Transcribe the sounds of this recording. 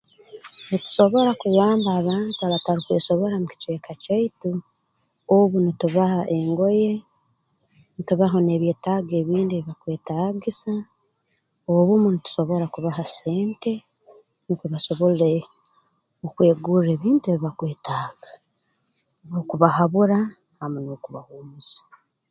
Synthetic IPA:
nitu̥so̞βoɾakuɣaːmbaːβaːntuaβataɾikwe̞̰ːso̞βo̞ɾamuki̥t͡ʃwekacaitu | oβunituβahaʔe̞ŋɡo̞je̞ | nituβaɦo̞ne̞βje̞ːtaːɡe̞ːβiːndieβiβakwe̞ːtaːɡisa | oβumunitu̥so̞βo̞ɾakuβaɦase̞ːnte̞ | nikuβaso̞βoɾiɾe | okwe̞ːɡuɾe̞ːβiːntueβiβakwe̞ːtaːɡ̥ḁ | nokuβahaβuɾa | hamunokuβahuːmusḁ

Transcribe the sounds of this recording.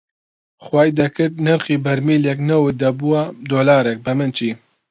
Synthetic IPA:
xwɑːjd̪ɛkɨɾt̪̚nɨɾqiːbɛɾmiːljɛk̬nɛwɨd̪ɐbuwad̪oːlɑːɾɛk̚bɨmɨnt͡ʃʰiː

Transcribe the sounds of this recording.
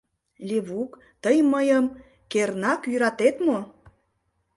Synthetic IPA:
lʲeβuk | t̪əjməjəm | kernɑkjyɾɑt̪et̪mo

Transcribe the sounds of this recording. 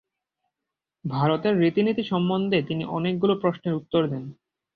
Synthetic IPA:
bʱaɾot̪eɾːit̪init̪iʃɔmbond̪ʱet̪iniʔɔnek̚ɡulopɾoʃneɾut̪ːoɾd̪ɛn

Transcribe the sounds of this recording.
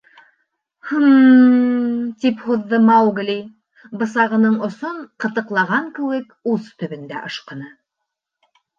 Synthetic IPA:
hm | t̪iphuðːɤmɑwɡlʲij | bɤ̆s̬ɑʁɤ̆nɤɴŏsoɴqɤ̆t̪ɤ̆qlˠɑʁɑŋkɘwɘkuzt̪ɵ̆βɘ̆nd̪æ̰ʔɤ̆ʃqɤ̆nɤ

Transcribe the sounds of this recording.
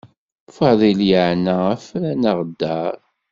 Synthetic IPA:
fɑðˤiljəʕnææflænəʁd̪ːæɾˤ

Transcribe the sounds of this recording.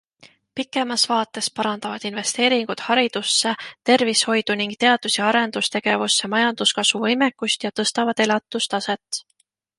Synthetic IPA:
pikːˑe̞mɑsvɑːt̪ːˑe̞spɑɾɑnd̪̥ɑvɑd̪̥inve̞st̪e̞ːɾiŋɡ̥ud̪̥hɑɾid̪̥usːe̞t̪e̞rvisho̞jd̪̥uniŋɡ̥̚t̪e̞ɑd̪̥useɑɾe̞nd̪̥ust̪e̞ɡ̥e̞vusːe̞mɑjɑnd̪̥uskɑsvuvɤjmekːˑust̪jɑt̪ɤ̞st̪ɑvɑd̪e̞lɑt̪ˑːust̪ɑse̞t̪

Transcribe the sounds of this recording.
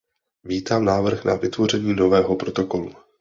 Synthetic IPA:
viːt̪aːmnaːvr̩xna̰vɪt̪vo̞rɛɲiːno̞vɛːɦo̞pɾo̞t̪o̞ko̞lṵ

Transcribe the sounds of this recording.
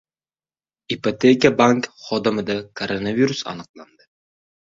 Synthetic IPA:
ipot̪ʰekʲabaŋkχɒd̪ɨmɪd̪akʰoɾonaviɾusa̰nɨqlˠand̪ɪ

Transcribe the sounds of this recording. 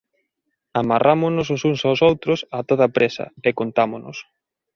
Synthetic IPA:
amarʔamʊnʊs̬ʊsuŋsawsowt̪ɾʊsat̪oð̞apɾʔesɐ̰ekont̪amono̰s

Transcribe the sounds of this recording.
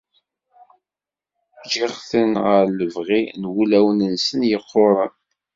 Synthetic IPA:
d͡ʒiʁθənʁəɾləvʁinwulæwnənsənjəqʰːoɾˤən

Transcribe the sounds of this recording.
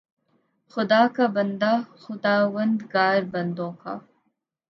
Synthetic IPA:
xʊd̪aːkabɐnd̪aːxʊd̪aːwɐnd̪ɡaːɾbɐnd̪õːka̰

